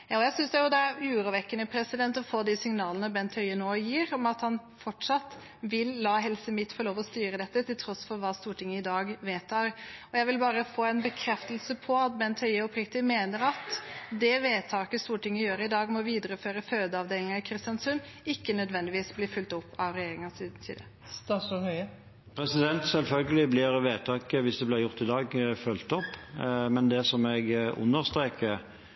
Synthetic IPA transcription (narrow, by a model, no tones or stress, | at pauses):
jɑːɔjæsʏnsd̪ɛjʊd̪ɛæɾʉːɾʊʋɛkːənəpʰɾɛsɪd̪ɛnt̪ɔfoːd̪isɪŋnɑːlənəbɛnt̪ʰhœʏənoːjiːɾɔmɑt̪hɑn | fɔʈʂɑt̪ | ʋɪlːɑːɦɛlsəmɪt̪ːfɔɾɭoːʋɔst̪yːɾəd̪ɛt̪ːət̪ʰɪlt̪ʰɾɔsfɔɾʋɑːst̪uːʈʰɪŋːəɪd̪ɑːɡʋeːt̪ʰɑːɾɔjæɪʋɪlbɑːɾəfoːɛɪnbəkʰɾɛft̪əlsəpʰɔɑt̪̚bɛnt̪ʰhœʏəɔpɾɪk̚t̪ɪmeːnəɾɑt̪d̪ɛʋeːt̪ʰɑːkəst̪uːɾəʈɪŋːəjøːɾəɪd̪ɑːɡmɔʋiːd̪əɾəføːɾəføːd̪əɑʋd̪eːlɪŋɑɪkʰɾɪst̪jɑnsʉnː | ɪkːənœd̪ʋɛnd̪ɪʋiːsblɪːfʉlt̪ɔpːɑʋɾɛjeːɾɪŋɑsd̪̩t̪ʰḭːd̪ə | st̪ɑsɔhœʏə | pʰɾɛsɪd̪ɛnt̪sɛlfœlɡəlɪblɪɾʋeːt̪ʰɑːkəʋɪsd̪ɛblɪɾjʊʁt̪ɪd̪ɑːɡfœlt̪ɔpːmɛnd̪ɛsɔmɛɡʊ̰nːəɾst̪ɾeːkə